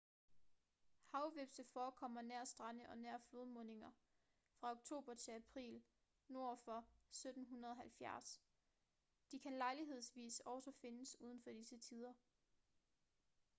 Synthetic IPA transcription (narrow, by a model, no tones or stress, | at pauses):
hɑ̈ʊʋeb̥səfɒːkʰɒ̽m̰ɐnæɐ̰sd̥ʁɑnəʔɒ̽næɐ̰floðˠmɔ̽ne̝ŋɐ | fʁɑ̈o̝ɡ̥̚t͡sʰo̝̰ːb̥ɐt͡sʰe̝læpʰʁḭːl | no̝ɐ̰fɒ̽sød̥n̩ɦunɐð̞ˠɒ̽ɦælfjæɐs | d̥ikʰænlɑ̈ɪliɦe̝ð̞̰ˠsʋḭːsɒʊsɒfe̝nəsuːð̞ˠn̩fɒ̽d̥isət͡sʰiːð̞ˠɐ